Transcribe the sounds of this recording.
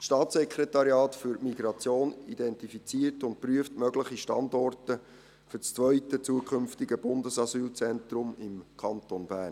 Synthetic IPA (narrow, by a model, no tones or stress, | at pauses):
sʃtɑːtsɛkʰɾɛtɑɾjɑːtfʏɾmiɡɾɑt͡sjoːnidɛntifit͡siːərtʊntpɾyəftmœɡləχiʃtɑndɔrtə | fʏt͡st͡sʋœʏtət͡suəkχʏmftiɡəb̥ʊndəsɑsyːlt͡sɛntrʊmɪmkʰɑnt̪onbæːrn